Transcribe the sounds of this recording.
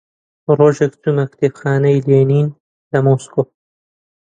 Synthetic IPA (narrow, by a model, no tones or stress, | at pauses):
roːʒekt͡sumɐkt̪ebxaːnɐjleːniːn | lɐmoːsko